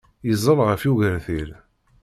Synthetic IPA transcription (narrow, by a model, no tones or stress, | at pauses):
jəzˤəlʁəfjuʝəɾθil